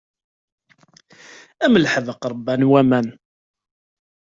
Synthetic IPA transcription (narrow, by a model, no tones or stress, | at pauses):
æməlħəðəqɾˤəbːænwæmæn